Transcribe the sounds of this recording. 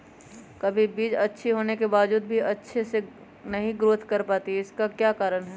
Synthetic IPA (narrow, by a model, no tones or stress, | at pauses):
kɐbʱibiːd͡ʒɐtːʃʰiɦoːnekebaːʋd͡ʒuːd̪̚bʱiɐtːʃʰese | nɐɦĩɡɾoːt̪ʰkɐɾpaːt̪iɪskakjaːkaːɾənɦɛː